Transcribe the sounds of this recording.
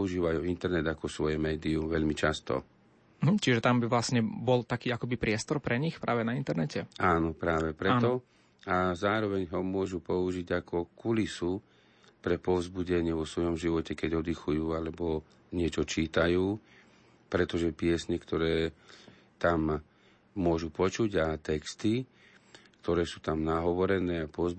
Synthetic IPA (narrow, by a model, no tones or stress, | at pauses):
uʒiːʋajuːint̪ɛɾnɛd̪akɔsʋɔjɛmɛːd̪iumʋɛʎmit͡ʃast̪ɔ̰ | m̩ɦm̩t͡ʃiʒɛt̪ambiʋlasɲɛbɔlt̪akiːakɔbipɾɪɛst̪ɔɾpɾɛɲixpɾaːʋɛnaint̪ɛɾnɛcɛaːnɔpɾaːʋɛpɾɛnɔ | azaːɾɔʋɛɲɦɔmʊɔʒupɔuʒiɟakɔkulisu | pɾɛpɔvzbuɟɛɲɪɛʋɔsʋɔjɔmʒiʋɔcɛkɛɟɔd̪ixujuːalɛbɔ | ɲɪɛt͡ʃɔt͡ʃiːt̪ajuː | pɾɛt̪ɔʒɛpɪɛsɲɛkt̪ɔɾɛː | t̪amː | ʊɔʒupɔt͡ʃuɟat̪ɛkst̪i | k̚t̪ɔɾɛːsuːt̪amnaɦɔʋɔɾɛnɛːapɔz